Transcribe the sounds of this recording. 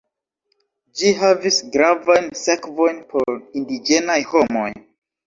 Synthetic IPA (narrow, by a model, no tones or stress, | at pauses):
d͡ʒiɦavisɡɾavajnsakvojnpʰoɾindid͡ʒenajhomo̰jn